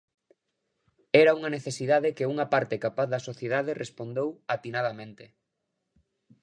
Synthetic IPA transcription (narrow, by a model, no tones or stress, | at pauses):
ɛɾauŋɐneθesiðaðekeuŋɐpaɾt̪ekapaθðɐsoθjeðaðerʔespond̪ewat̪inað̞ɐmẽnt̪e